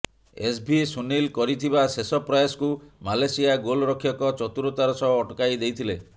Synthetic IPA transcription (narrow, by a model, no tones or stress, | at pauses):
es̬bʱisunilkɔɾit̪ʰibasesɔpɾajskumalesijaɡolɔɾɔkʰjɔkɔt͡ʃɔt̪uɾot̪aɾɔsɔɦɔːʈɔkajd̪ejt̪ʰile